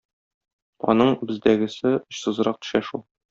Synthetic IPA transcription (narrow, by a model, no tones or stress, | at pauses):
ɒ̰nɤɴbɘ̆zd̪æɡɘ̆sɘŏɕsɤ̆zɤɾɑq̚t̪ɵ̥̆ʃæʃulˠ